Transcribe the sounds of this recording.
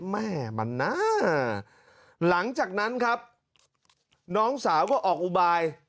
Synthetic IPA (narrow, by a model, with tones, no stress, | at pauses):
mɛː˥˩ma̰˨˦nːa˦˥ | la˩˦ŋt͡ɕaː˨˩k̚na˦˥nkʰa˦˥p̚ | nɔː˦˥ŋsaː˩˦wkɔː˥˩ʔɔː˨˩k̚ʔu˧baː˧j